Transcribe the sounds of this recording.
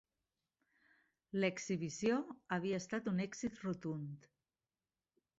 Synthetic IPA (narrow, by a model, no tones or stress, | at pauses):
ləkziβ̞isjoəβ̞iəːst̪at̪unɛɡzit̪rut̪unt̪